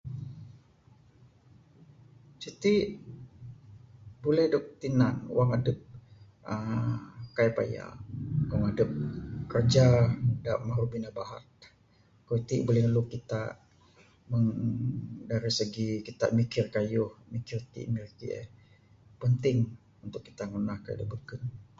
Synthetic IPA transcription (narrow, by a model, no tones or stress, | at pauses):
t͡ʃit̪iʔ | bolɛhdok̚t̪inan̰waŋadəp̚ | ə | kajpa̰ja̰ʔwaŋadəp̚kərd͡ʒadaʔmaɾubinabaɦa̰t̪̚ | kut̪iʔbolɛhnəlʊkːit̪a̰ | məŋ | daɾisəɡikit̪a̰ʔmikɪrkajʊhmikɪrt̪ḭʔmirkiɛ̰ | pənt̪ɪŋ | unt̪ʊkːi̥t̪aŋunahka̰dəbəkən